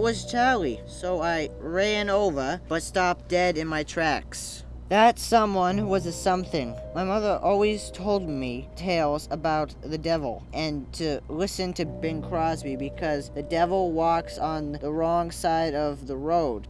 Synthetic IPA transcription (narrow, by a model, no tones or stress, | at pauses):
wʌz̥t͡ʃʰɑɹlˠisoʊaɪɹæ̃noʊvə˞b̥ʌtstɑp̚d̥ɛɾɨ̃nmaɪtʰɹ̥æks | ðɨtsʌ̃mwʌ̃nhwʌzɨsʌ̃mθɪ̃ŋmaɪmʌðə˞ʔɔlˠwiz̥tʰoʊlˠd̚mitʰeɪlˠzəbaʊt̪̚ðɨdɛvl̩ˠʔɨ̃ntʰɨlɪsɨ̃ntʰɨbɪ̃ŋkʰɹ̥ɑzbibɨkʰʌzðɨdɛvl̩ˠwɔksn̩ðəɹɔ̃ŋsaɪɾʌvðəɹoʊd̥